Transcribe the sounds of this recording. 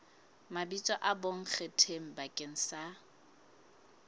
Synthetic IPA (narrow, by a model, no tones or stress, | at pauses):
mabit͡sʼɔʔaboŋ̩k͡xʰetʰem̩bakʼeŋ̩sa